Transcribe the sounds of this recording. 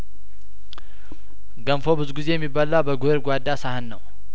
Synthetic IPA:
ɡənfo̞bɨzuɡize̞jɛmːibːalawbəɡueɾɡʷad̪ːasahɨnːəw

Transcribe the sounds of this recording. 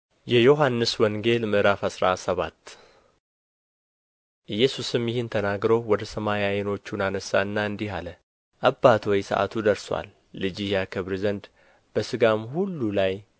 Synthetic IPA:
jɛjoɦanːɨswɔŋɡe̞lmɨʔɾafasɾasəβat̪ː | ʔɨjːɛsusɨmjɪhɪnt̪ʰənaɡɾowwɔd̪əsəmajajeno̞t͡ʃːunanəsːaɨnːaɨnd̪iɦalə | ʔabːat̪ʰwɔjsə̰ʔa̰t̪ʰud̪əɾswa̰lː | ɨd͡ʒihjakʰəβɾizənd̪ | b̥əsɨɡamhulːulaj

